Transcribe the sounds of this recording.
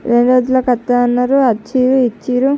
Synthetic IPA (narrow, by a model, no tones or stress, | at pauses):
ɾeɳɖoːd͡ʒulɐkɐt̪ːaɐnːɐɾuɐt͡ʃːiːɾuit͡ʃːiːɾu